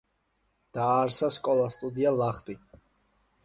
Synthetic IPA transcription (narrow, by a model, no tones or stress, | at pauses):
d̪̥aːɾsaskʼɔlˠast̪ʼud̪ialaχt̪ʼi